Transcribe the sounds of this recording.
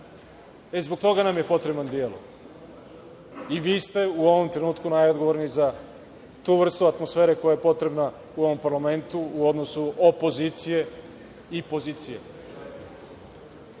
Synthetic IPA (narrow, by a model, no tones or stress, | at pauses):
e̞zbo̞ɡ̚t̪o̞ɡanamje̞po̞t̪ɾe̞band̪jeːlo̰ | iʋiːst̪e̞uo̞ʋomt̪ɾe̞nuːt̪kunajod̪ɡoʋoɾniza | t̪uːʋr̩st̪uat̪mo̞sfe̞ːɾe̞ko̞jaje̞po̞t̪ɾe̞bna | uo̞ʋo̞mpaɾlame̞nt̪uːo̞d̪nosuopo̞ziːt̪sije̞ | ipo̞ziːt̪sije̞̰